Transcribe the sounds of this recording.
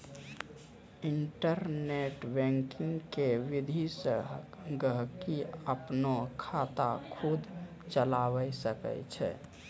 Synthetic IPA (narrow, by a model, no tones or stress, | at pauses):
iɳʈəɾneʈbɛ̃ŋkiŋɡkeʋid̪ʱisə | ɡəɦkiəpnokʰat̪a̰kʰud̪ʱ | t͡ʃəlaʋəsəkə̰t͡ʃʰɛ̰